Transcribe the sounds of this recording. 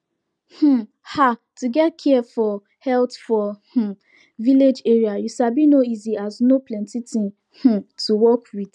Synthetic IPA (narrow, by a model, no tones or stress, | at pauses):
h̩ | hatuɡɛtkʰiɛfɔ | hɛltfɔh̩ | viled͡ʒeɹiajuʃabinoiziaznoplɛ̃ntitĩn | h̩tuwɔkwiθ